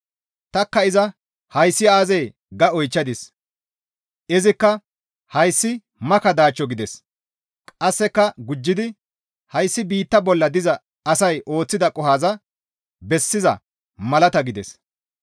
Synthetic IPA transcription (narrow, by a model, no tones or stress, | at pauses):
t̪ɐkːɐɪzɐ | hɐjsːɪaːzɛj | ɡɐɔjt͡ʃːɐd̪ɪs | ɪzɪkːɐ | hɐjsːɪ | mɐkɐd̪aːt͡ʃːɔɡɪd̪ɛs | kʼɐsːɛkːɐɡʊd͡ʒːɪd̪ɪ | hɐjsːɪbiːt̪ːɐbɔlːɐd̪ɪzɐː | sɐjʔo̞ːt͡sːɪd̪ɐkʼɔɦaːzɐ | bɛsːɪzɐ̰ | mɐlɐt̪ɐɡɪd̪ɛs